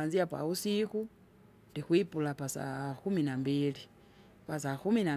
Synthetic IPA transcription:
anziapa̰usiku | ndixwipulapasa̰xuminambili | pasaxumina

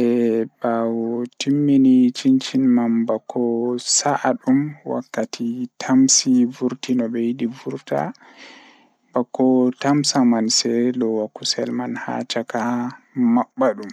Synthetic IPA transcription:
ɛbawɔtimːinit͡ʃint͡ʃinmambakʰːɔsaʔaɗumwa̰kːatʰitʰamsivuɾtinɔbɛjidivuɾta̰ | bakːɔtamsamansɛlɔwakːusɛlmanha̰t͡ʃaka | maɓːaɗum

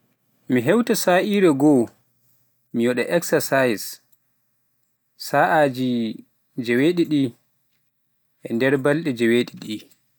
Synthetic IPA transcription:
miɦɛwtasaːʔiːɾɛɡɔ | mijɔɗɛʔɛksasajis | aʔad͡ʒi | d͡ʒɛweːɗiɗi | ʔɛndɛɾbalɗɛd͡ʒɛweːɗiɗi

